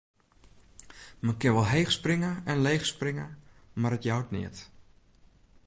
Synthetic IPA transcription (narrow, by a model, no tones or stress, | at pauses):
mənkɪnʋɔlˠɦejxsprɪŋəɛnlejxsprɪŋə | marətjawtnɪ̰ət